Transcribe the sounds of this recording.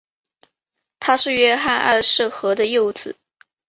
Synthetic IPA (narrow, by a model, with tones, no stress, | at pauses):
t̪ʰa˥ʂɻ̩˥˩ɥɛ˥xa˥˧nʔɐ˞˥˧ʂ̩˥˩xɤ˧˥d̪ə˧jo˥˧ʊt͡sɹ̩˨˩˦